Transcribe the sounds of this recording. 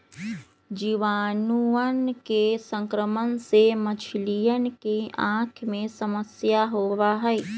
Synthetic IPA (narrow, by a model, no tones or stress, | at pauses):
d͡ʒiʋaːnuənkesə̃ŋkɾəmənsemət͡ʃʰlijənkeʔãːkʰjmẽsəməsjaɦoːʋaɦɛː